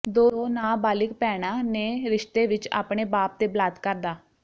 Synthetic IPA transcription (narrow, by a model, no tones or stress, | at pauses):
d̪oːnaːbaːlɪkpɛːɽ̃aːneːɾɪʃt̪eːʋɪt͡ʃa̰ːpɳeːbaːp̚t̪eːbəlaːd̪kəɾd̪aː